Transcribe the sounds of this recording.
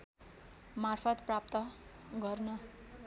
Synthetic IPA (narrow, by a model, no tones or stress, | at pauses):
marpʰʌt̪prap̚t̪ʌɡʌrnʌ